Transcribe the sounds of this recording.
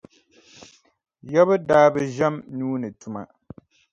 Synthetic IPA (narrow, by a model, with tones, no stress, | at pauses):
jɛ˦βɨ˦daː˦bɨ˦ʒɛ˦mnuː˦nɨ˨tu˨ma̰˨